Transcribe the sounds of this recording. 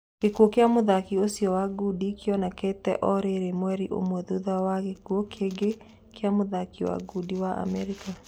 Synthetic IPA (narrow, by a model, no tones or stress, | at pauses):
kekuokjamoðakiosjɔwaɡudikjɔnaketɛ̰ʔɔɾeɾemwɛɾiʔo̰mwɛðuðawaɣekwokʰeɡe | kʰeamoðakiwa̰ɡudiwaʔa̰mɛɾika